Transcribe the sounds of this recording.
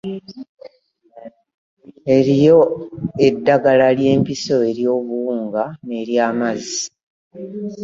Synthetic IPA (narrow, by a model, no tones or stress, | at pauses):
e̞ɾijo̞e̞dːaɡalalje̞ːmpiso̞e̞ɾjo̞ːβuuːŋɡane̞ːɾjaːmazi